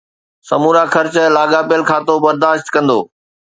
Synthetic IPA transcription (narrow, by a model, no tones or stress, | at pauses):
sɐmuːɾakʰɐɾt͡ɕlaːɡaːpijəlkʰaːt̪obɐɾd̪aːʃt̪kɐ̃nd̪oː